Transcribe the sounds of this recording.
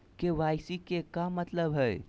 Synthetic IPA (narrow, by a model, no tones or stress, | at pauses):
keʋajsikekamət̪ləbɦəj